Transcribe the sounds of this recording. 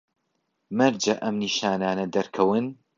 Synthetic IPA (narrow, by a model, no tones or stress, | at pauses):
mɐɾd͡ʒɐʔɐmniːʃaːnaːnɐd̪ɐɾkʰɐwɨn